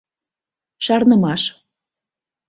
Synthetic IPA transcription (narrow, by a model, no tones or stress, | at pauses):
ʃɑrnə̆mɑʃ